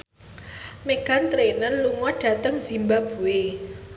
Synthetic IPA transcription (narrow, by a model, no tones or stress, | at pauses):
meɡ̥a̤nt̪ɾenənluŋɔɖ̥ä̤t̪əŋz̥i̤mbab̥ṳwe